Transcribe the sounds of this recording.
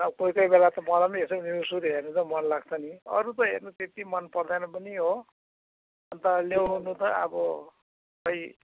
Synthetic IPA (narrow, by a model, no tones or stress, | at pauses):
ʌkojkʌjbelat̪ʌmʌlʌmiɦesʌniusuɾɦernut͡sʰʌmʌnlaɡ̚t͡sʰʌniʌ̰ɾut̪ʌɦḛrnut̪et̪imʌnpʌrd̪anʌpʌniɦo | ʌnt̪ʌlewɦunut̪ʌa̰bʌ | ʌj